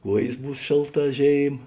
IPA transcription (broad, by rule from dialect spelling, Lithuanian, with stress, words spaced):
ˈkuɔjeːs ˈbuːs ˈʃʲeːlˠˌtɑː ˈʒʲeːɪm